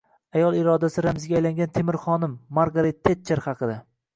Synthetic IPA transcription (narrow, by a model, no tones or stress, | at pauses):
ajɒlˠɪɾɒd̪asɪɾamɪzɡʲajlaŋɡʲant̪ʰemɪɾχɒnɪmːaɾɡaɾet̪ʰːet̪̚t͡ʃʰːaɾχɑqʰɨd̪a